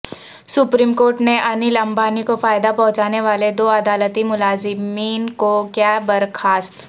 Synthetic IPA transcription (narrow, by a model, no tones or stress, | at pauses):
sʊpɾiːmkoːɾʈneʔɐnɪlɐ̃mbaːnikofaːɪd̪apɐ̃ɦʊ̃t͡ʃaːneʋaːled̪oːɐd̪aːlət̪imʊlaːzɪmmiːnkokjaːbɐɾkʰaːst̪